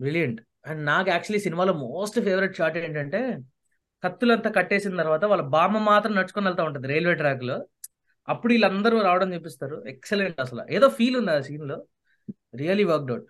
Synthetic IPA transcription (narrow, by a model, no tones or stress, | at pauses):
bɾiljɐɳʈ | ɐɳɖnaːkuaːk̚t͡ʃuɐliːsinimaːloːmoːsʈpʰeːʋɐɾiʈ̚t͡ʃaːɾʈeːɳʈɐɳʈe̞ː | kɐt̪ːulɐnt̪aːkɐʈːe̞ːsint̪ɐɾuʋaːt̪ɐʋaːlːɐbaːmɐmːaːt̪ɾɐmnɐt͡ʃːukonɐlt̪aːuɳʈ̬und̪iɾeːlʋeːʈɾaːk̬loː | ɐpːuɽuilːɐnd̪ɐɾuːɾaːʋɐɽɐmt͡ʃep̬ːist̪aːɾuɛkseleɳʈɐs̬ɐla̰ːʔeːd̪o̞ːpʰiːlund̪iasiːnlo̞ː | ɾijɐlːiːʋɐɾk̚ɖɐwuʈ̚